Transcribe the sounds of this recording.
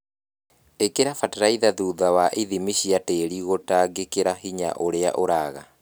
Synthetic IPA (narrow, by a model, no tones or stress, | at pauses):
ekeɾafatɾaiðaðuːðawaʔiðimiɕiateːɾiɣotaːɡekeɾaɦiɲa̰ʔoɾea̰ʔoɾaːɣa